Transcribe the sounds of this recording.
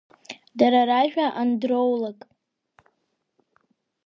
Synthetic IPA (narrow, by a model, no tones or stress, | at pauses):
daɾaɾaʒᶣaʔandrowlakʼ